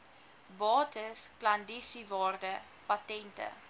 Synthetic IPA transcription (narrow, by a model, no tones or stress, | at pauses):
bɑːtəsklɐndisivɑːrdə | patɛntə̰